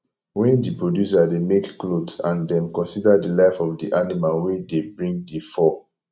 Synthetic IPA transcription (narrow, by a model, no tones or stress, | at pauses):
wɛ̃ndipɹodjus̬ademekːlodsãndɛ̃mkɔ̃nsidadilaɪfɔfdiʔanimalwidebɹĩŋɡdifɔ